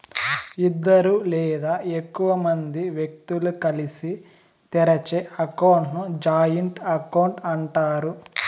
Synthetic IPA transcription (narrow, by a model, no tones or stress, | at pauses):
id̪ːɐɾuːlɛːd̪aːekːuʋɐmɐnd̪iʋjek̚t̪ulukɐlisi | t̪ɛɾɐt͡ʃeːʔɐkɐwɳʈnud͡ʒaːjɐɳʈɐkɐwɳʈɐɳʈaːɾu